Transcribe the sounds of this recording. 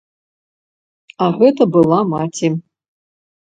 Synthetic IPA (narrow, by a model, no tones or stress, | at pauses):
aɣɛt̪ɐbɨlˠamatʰʲi